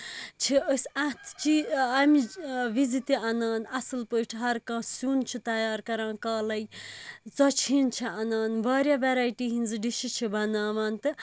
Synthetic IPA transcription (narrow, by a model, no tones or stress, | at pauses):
t͡ʃʰiəsat̪ʰt͡ʃiɐmiʋizit̪iʔɐnaːnɐsɨlpəʈʰiɦɐɾkãːsuːnt͡ʃʰit̪ɐjaːɾkɐɾãːkaːlɐjt͡sɐt͡ʃʰint͡ʃʰiʔɐnaːnbaːɾjaʋeɾaːjʈiːɦinzɨɖiʃit͡ʃʰibɐnaːʋaːnt̪ɨ